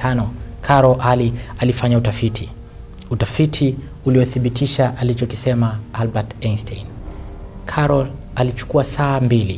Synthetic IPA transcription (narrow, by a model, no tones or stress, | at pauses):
anɔkʰaɾɔʔalialifaɲautafitʰi | utafitʰi | uliɛθiɓitiʃaʔalit͡ʃɔki̥sɛmaalbatɛnstʰɛin | kʰaɾɔl | alit͡ʃu̥kuasaːmbilḭ